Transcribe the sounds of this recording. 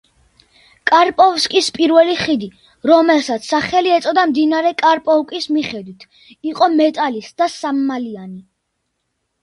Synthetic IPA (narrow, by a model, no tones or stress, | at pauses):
kʼaɾpʼɔvskʼispʼiɾvɛliχid̪i | ɾɔmɛlsat̪sʰsːaχɛliɛt̪sʼɔd̪amd̪inaɾɛkʼaɾpʼɔvkʼismiχɛd̪wit̪ʰ | iqʼɔmɛt̪ʼalisd̪asamːaliani